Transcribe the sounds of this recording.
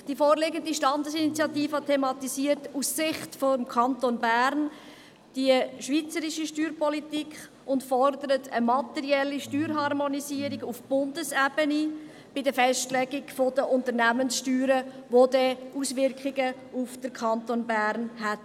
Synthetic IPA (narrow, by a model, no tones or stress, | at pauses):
d̥ifoːɾlɪɡəndiʃtɑndəsinit͡sjɑtiːfəɑtʰemɑt̪isiərtussɪχtfomkʰɑntonbæːɾn | d̥iəʃʋit͡səɾiʃiʃtyːɾpʰɔlitikχ | ʊntfɔɾdəɾətʰəmɑtɛɾiɛlːiʃtyːɾɦɑrmɔnisiːəɾiɡufb̥ʊndəsɛb̥əni | b̥ɪdəfɛstlɛɡiɡfodəʔʊntəɾnæmənsʃtyːɾəʋodɛʔusʋɪɾkχiɡə | ufd̥əɾkʰɑntoːnbæːɾnhæt